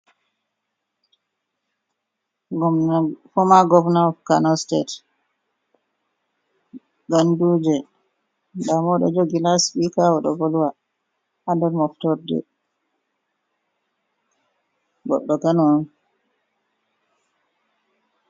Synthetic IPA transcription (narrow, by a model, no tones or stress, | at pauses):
fɔmaɡɔvnaɔfkanɔstet | ɡanduːd͡ʒɛ | damɔɗɔd͡ʒoɡilasɓikawɔɗɔ̰ɡɔlwa | ʔandɛɾmɔftɔɾdɛ̰ | ɡɔ̰ɗːɔkanɔ